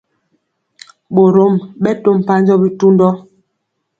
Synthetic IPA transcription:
ɓo˨ɾo˨˦mɓɛ˦to˦m˨pa˦n˦d͡ʒɔ˦bi˦tu˦ndɔ˦

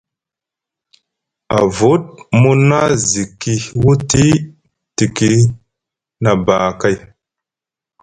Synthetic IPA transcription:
a̰˨vu˨˦t̚mu˦na˦zi˨kːi˨wu˦ti˦ | ti˨ki˨ | na˨ba˨ka˦j

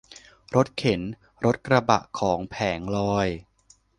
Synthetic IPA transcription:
ɾo˦˥t̪̚kʰe˩˦n | ɾo˦˥t̪̚kɾa˧ba̰˨˩ʔkʰɔː˩˦ŋpʰɛː˩˦ŋlɔː˧j

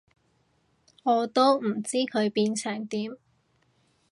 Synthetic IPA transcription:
ŋɔː˨˧t̪o˥wm̩˨˩t͡siː˥kʰɵ˨˧ɥpiː˧nsʰœː˨˩ŋt̪iː˨˥m

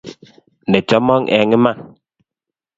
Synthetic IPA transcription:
nɛ˨t͡ʃɔ˦mɔ˦ŋʔɛ˨ŋe˦ma˦˨ŋ

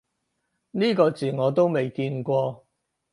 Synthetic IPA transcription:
niː˥kɔː˧t͡siː˨˩ŋɔː˨˧t̪̬o˥wme˨˩jkiː˧nkʷɔː˧

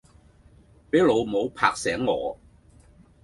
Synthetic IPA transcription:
peː˨˥jlo˨˧wmo˨˧wpʰa̰ː˧k̚sɛː˨˥ŋːɔː˨˧

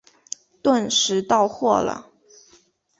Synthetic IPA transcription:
t̪wa˥˧˩nʂɻ̩˧˥t̪ɑ˥˧ʊxwɔ˥˩lə̰˩

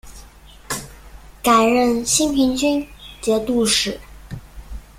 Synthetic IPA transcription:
ka˨˩ɪɻə˥˩nɕi˥npʰi˧˥ŋt͡ɕy˥nt͡ɕjɛ˧˥t̪u˥˧ʂɻ̩˨˩˦

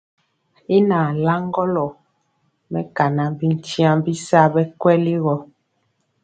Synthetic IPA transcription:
i˦na˨la˦ŋɡɔ˦lɔ˨ | mɛ˦ka˨na˨bi˦n̩˦ti˦ã˦bi˦sa˦bɛ˦kwɛ˦li˦ɣɔ˨

